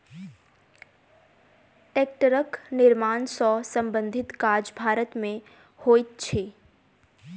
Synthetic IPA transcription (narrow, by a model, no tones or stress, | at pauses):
ʈeːk̚ʈəɾəknɪɾmaːnsɔsə̃mbə̃nd̪ʱɪt̪kaːd͡ʒbʱaːɾət̪mẽ | hoːit̪̚t͡ʃʰeː